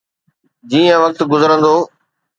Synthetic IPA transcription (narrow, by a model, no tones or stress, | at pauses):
d͡ʑiːə̃ʋɐk̚t̪ɡʊzəɾə̃nd̪oː